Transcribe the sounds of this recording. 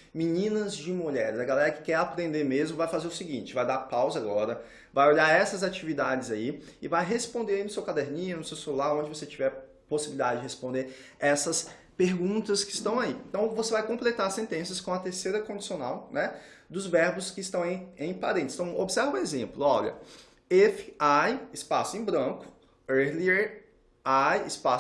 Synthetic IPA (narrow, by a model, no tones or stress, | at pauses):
minĩnɐzd͡ʒɪmuʎɛɾɪzɐɡalɛɾɐkɪ̥kɛɾapɾẽnd̪eɾmezmʊvajfazeɾʊsiɡĩt͡ʃɪvajd̪aɾpawzɐaɡɔɾɐ | vajoʎaɾɛsɐzat͡ʃivid̪ad͡ʒɪzaiɪvajɦespõnd̪eɾainʊsewkad̪ɛɾnĩɲʊnʊsewselulaɾõd͡ʒɪvoset͡ʃivɛ | posibilid̪ad͡ʒɪd͡ʒɪhespõnd̪eɾɛsɐs | peɾɡũt̪ɐskɪst̪ɐ̃w̃aiẽt̪ɐ̃w̃vosevajkõmplet̪aɾsẽnt̪ẽsjɐskõɐt̪eɾsejɾɐkõd͡ʒi̥sionawnɛ | d̪ʊzvɛɾbʊskɪːst̪ɐ̃w̃ẽẽj̃paɾẽt̪st̪ɐ̃w̃o̰bɪsɛɾvɐ̃ezẽmplʊɔʎɐ̰ | ɛfɪajɪspasʊẽj̃bɾɐ̃kʊ̥ | eɾli | ajɪspa